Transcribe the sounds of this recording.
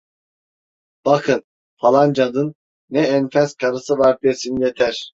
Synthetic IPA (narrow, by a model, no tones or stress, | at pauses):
b̥akʰɯn | fʰalˠand͡ʒad̪ɯnː | ɛːnfɛzkʰaɾɯsɯvaɾb̪esinijet̪ʰæɾ̥